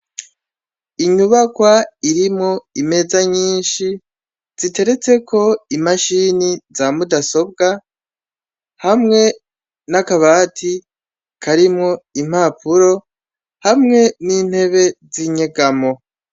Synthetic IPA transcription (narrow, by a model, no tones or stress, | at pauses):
iɲuβakwaiɾimŋo̞ime̞zaɲiːnʃi | z̥ite̞ɾe̞t͡se̞kʰo̞imaʃinizamudaso̞b̚ɡa | hamŋe̞ | nakaβaːtʰi | kʰaɾimŋo̞im̥haːpuɾo̞ | hamŋe̞niːn̥he̞βe̞ziɲeɡamo̞